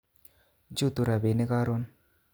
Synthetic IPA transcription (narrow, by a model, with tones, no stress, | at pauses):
d͡ʒu˦˨t̪u˨ɾa˨be˨ne˦ka˦ɾo˦n